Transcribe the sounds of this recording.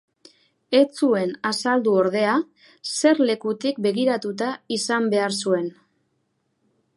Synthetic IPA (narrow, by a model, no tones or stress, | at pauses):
e̞t͡sue̞nasald̪uo̞ɾð̞e̞a | se̞ɾle̞kut̪ik̚be̞ɣiɾat̪ut̪̬aisambe̞aɾsue̞n